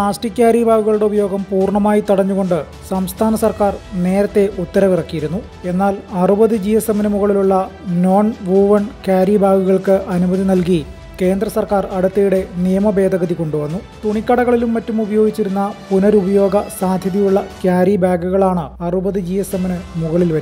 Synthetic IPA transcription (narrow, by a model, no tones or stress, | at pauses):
paːsʈikʲːaːɾibʱaːɡuɣɐɭuɽeubɐjo̞ːɡɐmpuːrɳɐmaːjit̪iɽɐɲːuɣo̞ɳɖɨ | sɐmst̪ʰaːnɐsɐrkaːrne̞ːɾɐt̪ːe̞ʔut̪ːɐɾɐʋirɐkːijiɾunːu | e̞nːaːlɐrubɐðɨd͡ʑijesemɐnɨmuɣɐɭiluɭːɐno̞ːɳʋuːʋɐɳkʲaːɾibaːɡuɣɐɭkɨʔɐnumɐðinɐlk̬i | ke̞ːnd̪rɐsɐrkaːrɐɽut̪ːɐjuɽe̞nijɐmɐbe̞ːd̪ʱɐɣɐðiko̞ɳɖuʋɐnːut̪uɳikʲːɐɽɐɣɐɭilumːɐtːumubɐjo̞ːɡit͡ɕːiɾunːɐpunɐɾubɐjo̞ːɡɐsaːd̪ʱjɐðjijuɭːɐkjaːɾibaːɡuɣɐɭaːɳɨɐrubɐðid͡ʑijesemnɨmuɣɐɭilʋɐɾ